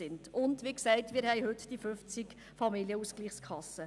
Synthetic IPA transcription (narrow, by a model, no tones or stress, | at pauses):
ɪntʊndʋiːksɛɪtmiːɾhɛɪɦʏtd̥ifʏft͡sɪk | fɑmiljəusɡ̥liːχskʰɑsə